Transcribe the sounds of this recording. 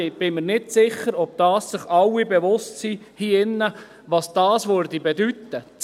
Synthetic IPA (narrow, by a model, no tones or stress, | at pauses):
b̥ɪməɾnɪtsɪχːəɾɔb̥̚d̥ɑːsːɪχɑwibɛʋʊstsiː | hiːɪnːə | ʋɑsd̥ɑːsʋøɾdibɛdyt̪ːət͡s